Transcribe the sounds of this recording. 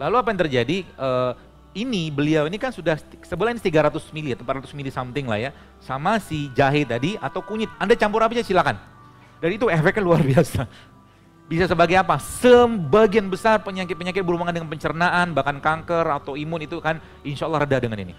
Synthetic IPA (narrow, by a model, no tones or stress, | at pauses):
laluapajaŋt̪ərd͡ʒadiəː | inibəliawinikansudah̪səbəlainist̪iɡaɾat̪ʊsmilit̪əmpat̪ɾat̪ʊ̥smilisamt̪ɪŋla̰hja | samasid͡ʒaɦɪt̪adiat̪awkuɲɪt̪̚andat͡ʃampʊɾapid͡ʒasilakan | daɾiːt̪uɛfɛkːanluarbiasa | bisasəbaɡajapasəbaɡianbəsarpəɲakɪt̪̚pəɲakɪt̪̚bəɾumaŋandəŋanpəɲt͡ʃəɾənaʔanbahkankaŋkərat̪awimʊnit̪ukan | inʃalːrədadəŋanḭnḭ